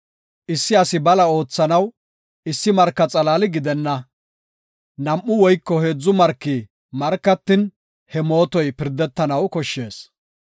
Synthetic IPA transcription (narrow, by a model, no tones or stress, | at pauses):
ʔɪsːɪɐsɪbɐlɐo̞ːt͡sːɐnɐw | ɪsːɪmɐɾkːɐt͡sʼɐlaːlɪɡɪd̪ɛnːɐ | nɐmʔːʊwɔjkːɔheːd͡zʊmɐɾkːi | mɐɾkːɐt̪ːɪn | hɛmo̞ːt̪ɔjpɪɾd̪ːɛt̪ːɐnɐwkɔʃːe̞ːs